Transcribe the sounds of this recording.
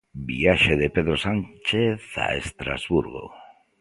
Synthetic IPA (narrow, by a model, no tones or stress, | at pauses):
biaʃeðepeðɾosant͡ʃeθa̰est̪ɾa̰zβuɾɣo̰